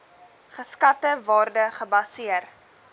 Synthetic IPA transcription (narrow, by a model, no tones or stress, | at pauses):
χəskɐtəvɑːrdəχəbɐsiər